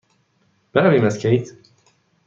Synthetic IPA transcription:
b̥eɾæviːmæscʰʲejt̪

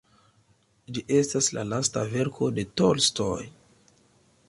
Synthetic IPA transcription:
d͡ʒiʔe̞staslalasta̰ve̞ɾkʰo̞de̞to̞lstoj

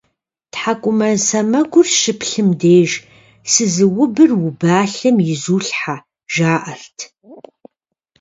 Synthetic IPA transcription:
tħakʷʼʊmɐsɐmɐɡʷʊrʃɨpʰɬɨmdeːʒ | sɨzɨwʊbɨrwʊbaːɬɨmjɪzuːɬħa | ʒaːʔɐrtʰ

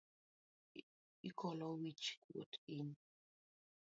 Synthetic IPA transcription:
ikɔlɔwit͡ʃkwo̰tin

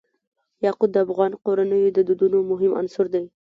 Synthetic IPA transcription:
jɑqʊd̪̚d̪əafɣɑnqoɾanəjod̪əd̪ud̪unomʊɦɪma̰nsʊɾd̪aj

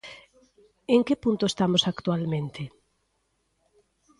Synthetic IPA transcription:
eŋkepunt̪oest̪amosakt̪ualmẽnt̪ɪ

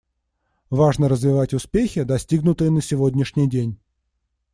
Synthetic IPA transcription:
vaʐnəɾəzvʲɪvatʲʊspʲexʲɪd̪ɐsʲtʲiɡnʊt̪ɨjənəsʲɪvodʲnʲɪʂnʲɪjdʲenʲ

